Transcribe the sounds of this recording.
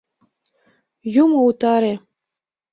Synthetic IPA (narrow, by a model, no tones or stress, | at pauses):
jumout̪ɑɾe